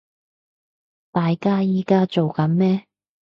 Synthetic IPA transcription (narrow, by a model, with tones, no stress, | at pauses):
t̪aː˨jkaː˥jiː˨˥kaː˥t͡so˨wkɐ˨˥nmɛː˥